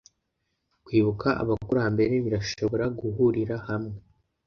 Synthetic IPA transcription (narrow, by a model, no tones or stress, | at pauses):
kwiːβukaʔa̰βakuɾaːmbe̞ɾeβiɾaʃo̞βo̞ɾaɡuɦuɾiɾahamŋe